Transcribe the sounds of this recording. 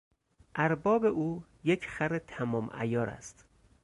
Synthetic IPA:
ʔæɾbɒːbe̞ʔuː | jecʰχæɾet̪ʰæmɒːmʔæ̰jɒːɾæ̰st̪

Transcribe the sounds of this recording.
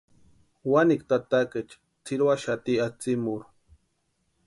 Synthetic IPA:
wanikt̪at̪aket͡ʃ | t͡sʰiɾwaʃat̪iat͡simuɾ

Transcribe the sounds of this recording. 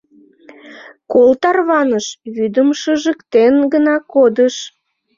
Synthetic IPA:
kolt̪ɑrβɑnəʃβyd̪əmʃəʒəkt̪enɡənɑkod̪əʃ

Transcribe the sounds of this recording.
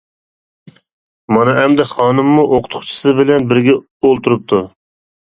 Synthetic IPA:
mɑnɨɦɛmd̪ɛχɑːnɨmːuʔoqʰʊ̥t̪ʰʊ̥χt͡ʃʰi̥sɨbɪlɛnbɪɾɡʲɛ | olˠt̪uɾup̚t̪ʰu

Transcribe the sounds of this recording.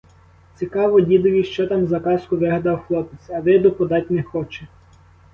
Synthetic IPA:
t͡sʲikɑʋɔdʲid̪ʊʋʲiʃt͡ʃɔt̪ɑmzɐkɑskʊʋɪɦɐd̪ɑwxlˠɔpet͡s̪ʲɐʋɪd̪ɔpɔd̪ɑtʲnexɔt͡ʃɛ

